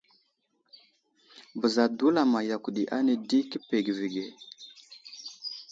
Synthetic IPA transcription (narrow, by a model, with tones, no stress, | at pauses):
bə˨za˨du˦la˨ma˨ja˨ku˨ɗi˨ʔa˦ne˨di˦ki˦pe˨ɡvi˨ɡe˨